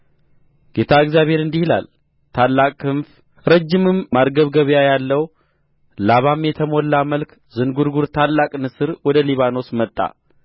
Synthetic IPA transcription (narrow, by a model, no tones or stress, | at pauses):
ɡ̥e̞t̪ʰaɨɡzjaβhe̞ɾɨnd̪ihila̰l | t̪ʰalːakʼkʰɨnf | ɾəd͡ʒːɪmɨmːaɾɡəβɡəβjajalːəw | laβamjɛt̪ʰəmolːaməlk | zɨnɡuɾɡuɾt̪ʰalːakʼnɨsɨɾwɔd̪əliβano̞smət̪ʼːa̰